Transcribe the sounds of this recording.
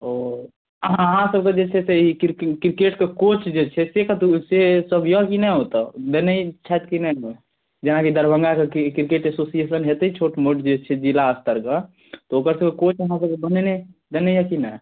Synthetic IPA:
o | əɦãəɦãsəb̚ked͡ʒet͡ʃʰɛseikɾkɾkeʈkekot͡ʃd͡ʒet͡ʃʰɛsekət̪usesəbʱjəkinɛɦot̪ɔd̪enət͡ʃʰat̪kinɛe | d͡ʒenakid̪əɾbʱəŋɡakekiɾkeʈesosiesənɦet̪it͡ʃʰoʈmoʈd͡ʒet͡ʃʰɛd͡ʒilaːst̪əɾke | t̪ɔokəɾsəkekot͡ʃəɦãsəb̚kebənened̪enejəkinɛ

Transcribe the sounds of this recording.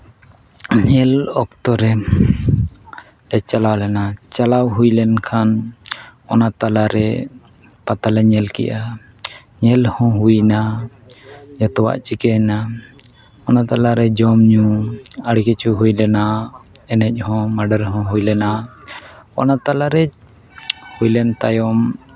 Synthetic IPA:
ɲɛlɔk̚t̪ɔɾɛ | ɖɛt͡ʃalawlɛnat͡ʃalawɦujlɛnkʰan | ɔnat̪alaɾɛ | pat̪alɛɲɛlkɛ̰ʔa | ɲɛlhɔ̃ɦujna | d͡ʒat̪ɔwa̰ʔt͡ʃikɛna | ɔnat̪alaɾɛd͡ʒɔmɲũaɽkɛt͡ʃuɦujlɛna | ɛnɛc̚ˀhɔ̃maɖəɾɦɔ̃ɦujlɛna | ɔ̰nat̪alaɾɛ | hujlɛnt̪ajɔm

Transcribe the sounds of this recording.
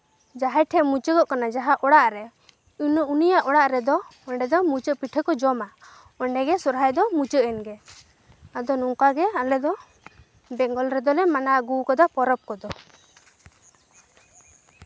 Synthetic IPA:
d͡ʒaɦɛʈʰɛmut͡ʃəɡɔʔkanad͡ʒaɦaʔɔɽaʔɾɛ | unəʔunijaʔɔɽaʔɾɛd̪ɔɔɳɖɛd̪ɔmut͡ʃəʔpiʈʰəkɔd͡ʒɔma | ɔɳɖɛɡɛsɔɾɦajd̪ɔmut͡ʃəʔɛnɡɛ | ad̪ɔnuŋkaɡɛalɛd̪ɔ | bɛŋɡɔlɾɛd̪ɔlɛmanaɡukɔd̪apɔɾɔp̚kɔd̪ɔ

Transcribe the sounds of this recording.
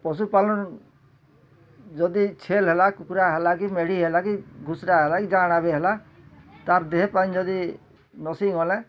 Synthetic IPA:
pɔs̬upalɔn | d͡ʒɔd̪it͡ʃʰelɦelakukɾaɦelakimeɽ̤iɦelakiɡʱusɾaɦelakid͡ʒaɽ̃abeɦela | t̪aɾd̪eɦepaĩd͡ʒɔd̪i | nɔsiŋɔlɛ̃

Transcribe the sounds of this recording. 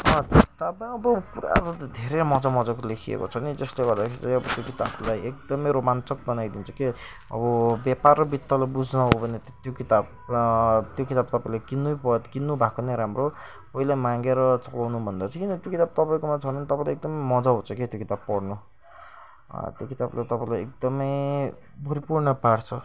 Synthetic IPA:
ʌt̪ʌpãĩʌbʌkuɾa̰ɾut̪d̪ʱeɾemʌd͡zamʌd͡zakolekʰiḛko̰t͡sʰʌnid͡zʌsleɡʌrd̪akʰeɾiiʌbʌt̪jokit̪ablajek̚d̪ʌmejɾomant͡sʌk̚bʌnajd̪int͡sʰʌke | ʌ̰bʌbjaparʌbit̪ːʌlabud͡znʌɦobʱʌnet̪jokit̪ab̚ | t̪jokit̪abt̪ʌpaĩlajkinːujpʌkinːubʱakoneɾamro | pʌilajmãŋɡeɾʌt͡sʌlawnubʱʌnd̪at͡sʌ̃kinʌt̪jokit̪ab̚t̪ʌpaĩkomat͡sʰʌnʌnit̪ʌpãĩlaek̚d̪ʌmʌjmʌd͡zaɦũt͡sʰʌket̪jokit̪abpʌɽnu | t̪jokit̪ablajt̪ʌpãĩlajḛk̚d̪ʌmʌj | bʌɾipurɳʌpaɽt͡sʰʌ

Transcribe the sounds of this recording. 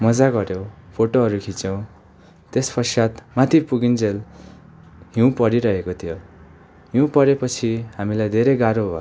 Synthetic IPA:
mʌd͡zaɡʌɾjopʰoʈoɦʌɾukʰit͡sʌw̃ | t̪espʰʌrsat̪mat̪ʰipuɡind͡zel | ɦiũpʌɾiɾʌɦekot̪ʰijo | ɦiũpʌɾepʌt͡sʰihamilajd̪ʱeɾejɡaɾoɦo

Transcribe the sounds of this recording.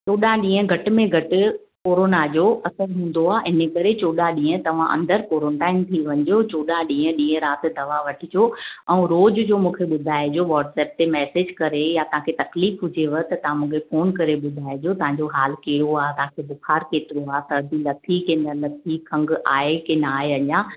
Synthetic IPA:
t͡ɕoːɗaɗĩːə̃ɡʱɐʈɪ̆mẽɡʱɐʈɪ̆ | koːɾoːnad͡ʑoːɐsəɾɦũːn̆d̪oaːɪnəkɐɾet͡ɕoːɗaɗĩːə̃t̪ɐʋ̤ãʔɐ̰̃nd̪əɾkoːɾəɳʈaːɪmt̪ʰiʋɐ̃ɲɪd͡ʑot͡ɕoːɗaɗĩːə̃ɗĩːə̃ɾaːt̪ɪ̆d̪ɐʋaʋɐʈʰɪd͡ʑoːɛ̃ũɾoːd͡ʑd͡ʑoːmũːkʰeɓʊd̪ʱaːed͡ʑoʋɔːʈsɛːp̚t̪emɛːseːd͡ʑkɐɾejat̪ɐɦãkʰet̪ɐkliːfɦʊd͡ʑeʋɐt̪ɐt̪ɐʋ̤ãmũːkʰefoːnkɐɾeɓʊd̪ʱaːed͡ʑot̪ɐʋ̤ãɲd͡ʑoɦaːlkeːɽoaːɦt̪ɐɦãkʰebʊxʰaːɾkeːt̪ɪɾoaːɦsɐd̪ilɐt̪ʰikẽnɐlɐt̪ʰikʰɐ̃ŋɡa̰ːɦekẽnaːeɐɲãː

